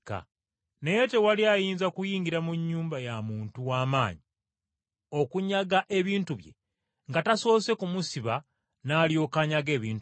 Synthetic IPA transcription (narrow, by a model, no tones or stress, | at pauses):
ka̰ | neje̞te̞waliajiːnzakujiːŋɡiɾamuɲːuːmbajamuːntuwaːmaːɲi | o̞kuɲaɡaʔe̞βiːntuβjḛ | ŋɡataso̞ːse̞kumusiβa | naːljo̞kaɲaɡe̞ːβiːnt